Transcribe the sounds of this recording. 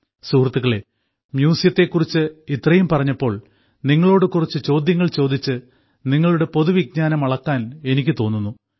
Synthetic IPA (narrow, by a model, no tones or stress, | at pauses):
suːrɐt̪ːuɣɐɭe̞ | mjuːsijɐt̪ːe̞kːurit͡ɕːɨit̪rɐjumpɐrɐɲːɐpːo̞ːɭ | niŋːɐɭo̞ːɽɨkurit͡ɕːɨt͡ɕo̞ːd̪jɐŋːɐɭt͡ɕo̞ːd̪it͡ɕːɨ | niŋːɐɭuɽe̞po̞ðuʋiɡ̚ɲaːnɐmɐɭɐkːaːne̞nikʲːɨt̪o̞ːnːunːu